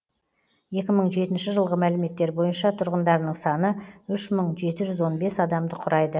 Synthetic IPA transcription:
je̞kʲɪməɴʒe̞t̪ɪnʃɪʒəlˠʁəmælɪme̞t̪ːe̞ɾbo̞jənʃɑt̪ʰʊɾʁənd̪ɑɾnəɴsɑnəʏʃməɴʒe̞t̪ɪʒʏzwo̞nbe̞sɑd̪ɑmd̪əqʰʊɾɑjd̪ə

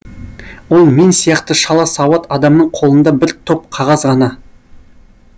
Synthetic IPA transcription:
wo̞lˠme̞nsijɑqt̪əʃɑlˠɑsɑwɑt̪ɑd̪ɑmnəɴqʰolˠənd̪ɑbɪɾt̪ʰo̞p̚qʰɑʁɑzʁɑnɑ

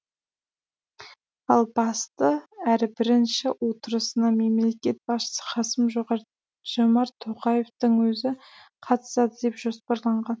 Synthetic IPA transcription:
ɑlˠbɑst̪əæɾɪbɪɾɪnʃɪwʔo̞t̪əɾəsənɑme̞mle̞kʲe̞t̪̚bɑsʃə̥səχɑsəmʒo | ʒ̥omɑɾt̪ʰoqɑje̞ft̪əŋwɵzɪ | qʰɑt̪ə̥sɑd̪əd̪e̞pʒ̥o̞spɑɾlˠɑɴʁɑn

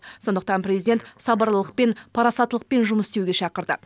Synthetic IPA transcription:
so̞nd̪əq̚t̪ɑnprʲezijd̪ʲent̪sɑbɑɾlˠəlˠəq̚pe̞npʰɑɾɑsɑt̪ːəlˠəq̚pe̞nʒʊməsst̪ewɡʲeʃɑqəɾd̪ə̰

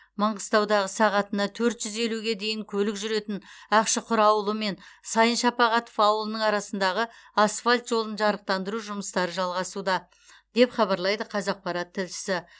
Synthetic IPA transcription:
mɑɴʁəst̪ɑwd̪ɑʁəsɑʁɑt̪ənɑt̪ʰɵɾt̪ʒ̥ʏze̞luɡʲe̞d̪e̞jɪŋkʲʰɵlɪkʒʏɾe̞t̪ɪnɑqʃəqʰʊɾɑwlˠəme̞nsɑjənʃɑpɑʁɑt̪ofɑwlˠənəɴɑɾɑsənd̪ɑʁə | ɑsfalʲt̪ʒo̞lˠənʒɑɾəq̚t̪ɑnd̪əɾuʒʊməst̪ɑɾəʒɑlˠʁɑsud̪ɑ | d̪̥e̞pχɑβɑɾlˠɑjd̪əqʰɑzɑq̚pɑɾɑt̪ʰːɪlʃɪ̥sɪ

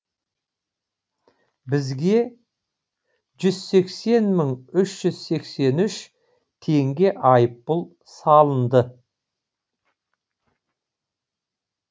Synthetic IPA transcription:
bɪzɡʲe̞ | ʒʏz̥se̞kse̞nməɴʏʃʒ̥ʏz̥se̞kse̞nʏʃ | t̪ʰe̞ŋɡʲe̞ʔɑjəpːəlˠ | sɑlˠənd̪ə

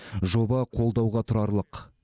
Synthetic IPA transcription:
ʒo̞bɑqʰo̞lˠd̪ɑwʁɑt̪ʰʊɾɑɾlˠəq

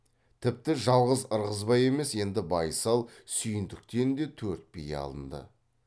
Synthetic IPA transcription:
t̪ʰɪp̚t̪ɪʒɑlˠʁəzəɾʁəzbɑje̞me̞se̞nd̪ɪbɑjsɑlˠsʏjɪnd̪ɪk̚t̪e̞ɾɪnd̪e̞t̪ʰɵɾt̪̚bejḛɑ̰lˠənd̪ə̰

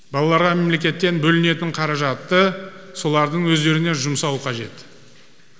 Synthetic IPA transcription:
bɑlˠɑlˠɑɾʁɑme̞mle̞kʲe̞t̪ːe̞nbɵlɪne̞t̪ɪɴqʰɑɾɑʒɑt̪ːəso̞lˠɑɾd̪əɴwɵzd̪e̞ɾɪne̞ʒʊmsɑlˠqʰɑʒe̞t̪

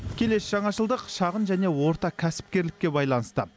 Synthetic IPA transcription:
kʲʰe̞le̞sʒ̥ɑɴɑʃəlˠd̪əqʃɑʁənʒæne̞wo̞ɾt̪ɑkʲʰæsɪ̥p̚kʲe̞ɾlɪkʲːe̞bɑjlˠɑnəst̪ə

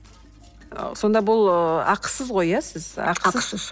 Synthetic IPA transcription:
so̞nd̪ɑbʊlˠɑqʰə̥səzʁo̞jasɪzɑ̰qʰəz

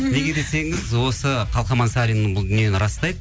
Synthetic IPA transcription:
ne̞ɡʲe̞d̪e̞se̞ŋɪzwo̞səqʰɑlˠqɑmɑnsɑɾijnəɴbʊlˠd̪ʏnijenɪɾɑst̪ɑjd̪ə

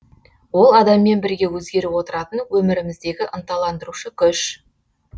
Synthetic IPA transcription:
wo̞lˠɑd̪ɑmːe̞nbɪɾɡʲe̞wɵzɡʲe̞ɾɪwo̞t̪əɾɑt̪ənwɵmɪɾɪmɪzd̪e̞ɡʲɪʔənt̪ɑlˠɑnd̪əɾuʃəkʲʰʏʃ

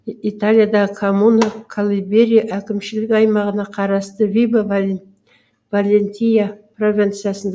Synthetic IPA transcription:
it̪alʲijad̪ɑʁəkʰomunokʰalˠibe̞ɾʲijaʔækʲɪmʃɪlɪkɑjmɑʁənɑqʰɑɾɑst̪əvʲiba | valʲenʲt̪ʲijapro̞vʲint̪sɨjasənd̪

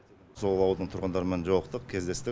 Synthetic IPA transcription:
so̞lˠɑwd̪əɴt̪ʰʊɾʁənd̪ɑɾəme̞nʒɑwɑqt̪əq̚kʲʰe̞zd̪e̞st̪ɪ

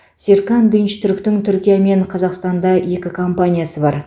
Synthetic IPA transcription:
seɾkɑnd̪ʏnʃt̪ʰʏɾkt̪ɪŋt̪ʰʏɾkʲijame̞ɴqʰɑzɑqst̪ɑnd̪ɑje̞kʲɪkʰo̞mpanʲijasəbɑɾ

